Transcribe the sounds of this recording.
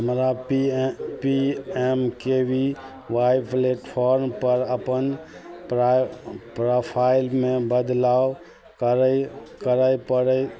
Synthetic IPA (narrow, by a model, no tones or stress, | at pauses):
ɦəmɾa | piemkebʱi | ʋajpleʈpʰoɾmpəɾəpən | pɾopʰaɪlmebəd̪law | kəɾkəɾajpəɾə